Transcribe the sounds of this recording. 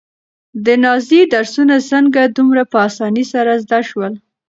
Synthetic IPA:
d̪ənɑzid̪aɾsunasəŋɡad̪umɾapəasɑnisaɾazd̪aʃwəl

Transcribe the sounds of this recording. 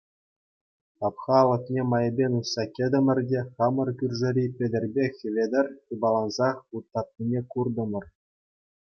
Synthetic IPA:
tɑpχɑlˠɤ̆knʲemɑjɤ̆bʲenʲussɑkʲĕd̪ʲɘ̆mʲɘ̆rʲdʲeχɑmɤ̆rkʲyrʲʐɘ̆ɾʲipʲedʲɘ̆rʲbʲexʲɘ̆ʋʲedʲɘ̆rʲt̪ɯbɑlˠɑnzɑχut̪ːɑt̪̚nʲinʲekurd̪ɤ̆mʲɤ̆r

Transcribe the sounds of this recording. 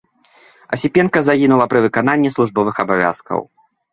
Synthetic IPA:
ɐ̰sʲipʲɛnkɐzaɣʲinulˠɐpɾɨvɨkananʲːislˠuʐbɔvɨxɐbavʲa̰skɐ̰w

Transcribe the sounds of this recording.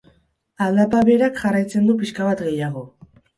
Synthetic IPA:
ald̪apaβe̞ɾakʝarajt͡se̞nd̪upiskaβat̪ɡe̞jaɣ̞o̞

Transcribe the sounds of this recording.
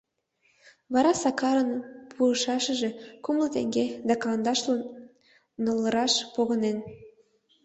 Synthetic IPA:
βɑɾɑsɑkɑɾənpʰuəʃɑʃə̆ʒe̽kumlə̆t̪ḛŋɡed̪ɑkɑlɑnd̪ɑʃlə | nəlˠːəɾɑʃpoɣənen

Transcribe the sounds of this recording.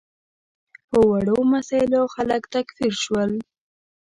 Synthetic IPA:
pəwaɽomasɑɪloxaləkt̪akfiɾʃwəl

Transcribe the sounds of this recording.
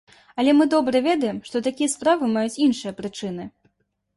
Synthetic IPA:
ɐlʲɛmɨd̪ɔbɾɐvʲɛd̪ɐjɛmʂt̪ɔt̪akʲijɐspɾavɨmajut͡sʲinʂɨjɐpɾɨt͡ʂɨnɨ

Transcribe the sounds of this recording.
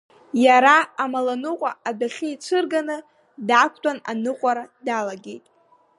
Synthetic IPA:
jaɾaːmalanɨqʷʼaadaχʲɪit͡ʃʷʰɨrɡanɨ | dakʷʰtʷʼananɨqʷʼaɾadalaɡʲejtʼ

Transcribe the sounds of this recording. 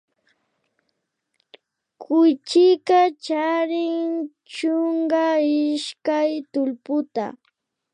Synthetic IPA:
kʊjt͡ʃɪkat͡ʃaɾɪŋ | t͡ʃʊŋɢaɪʃkajt̪ʊlpʊt̪a̰

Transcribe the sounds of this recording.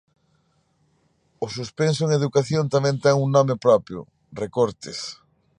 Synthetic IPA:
ʊsuspensoeŋeðukaθjont̪amɛ̃nt̪ɛŋuŋnɔ̃mepɾɔpjʊ̰ | rekoɾt̪ɪs

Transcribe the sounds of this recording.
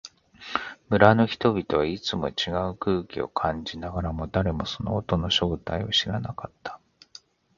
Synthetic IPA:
mɯ̟ɾano̞çi̥t̪o̞bʲit̪o̞βait͡sɨmo̞̰t͡ɕiɡaɯ̟kɯːkʲio̞̰kʰãɲ̟d͡ʑinaɡaɾamo̞d̪aɾe̞mo̞so̞no̞̰ːt̪o̞no̞ɕo̞ːt̪aioɕiɾa̰nakat̪ːḁ

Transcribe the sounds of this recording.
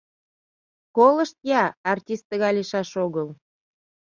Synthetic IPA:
koləʃt̪jɑɑrtʲist̪ːəɣɑjliʃɑʃoɣəl

